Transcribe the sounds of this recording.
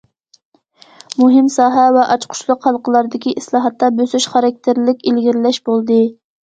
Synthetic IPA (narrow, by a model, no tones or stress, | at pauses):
muɦɪmsɑːɦɛvɛʔɑt͡ʃqʰʊ̥ʃlˠʊqhɑlˠqəlˠɑɾd̪ɪkʲiʔislˠɑːɦɑt̪ːɑbøsyʃχɑɾɑk̚ʲt̪ʰɪɾlɪkʲelɡʲiɾɪlɛʃbolˠd̪ɨ